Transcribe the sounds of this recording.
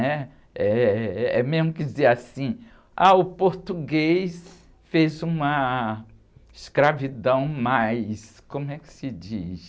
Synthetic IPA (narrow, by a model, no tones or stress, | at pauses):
ɛ | ɛɛmezmʊkɪd͡ʒizeɾasĩ | aʊpoɾt̪uɡejs | fezũmɐ | ɪskɾavid̪ɐ̃w̃majskõmʊɛkɪ̥sɪd͡ʒḭs